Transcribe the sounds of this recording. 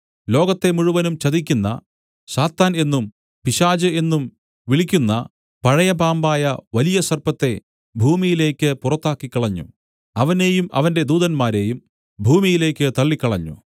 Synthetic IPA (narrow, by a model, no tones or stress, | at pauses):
lo̞ːɡɐt̪ːe̞muɻuʋɐnumt͡ɕɐðikʲːunːɐ̰ | ɕaːt̪ːaːne̞nːum | piɕaːd͡ʑɨe̞nːum | ʋiɭikʲːunːɐ̰ | pɐɻɐjɐbaːmbaːjɐʋɐlijɐsɐrpɐt̪ːe̞ | bʱuːmijile̞ːkʲːɨpurɐt̪ːaːkːikːɐɭɐɲːṵ | ɐʋɐne̞ːjumʔɐ̰ʋɐnde̞d̪uːðɐnmaːɾe̞jum | bʱuːmijile̞ːkʲːɨt̪ɐɭːikʲːɐɭɐɲːṵ